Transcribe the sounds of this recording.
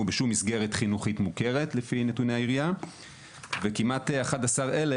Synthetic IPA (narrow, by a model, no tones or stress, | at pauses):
ubeʃumːisɡe̞ʁetχinuχitmuke̞ʁe̞tlefinetuneaiʁija | vekimateaχadasaʁe̞le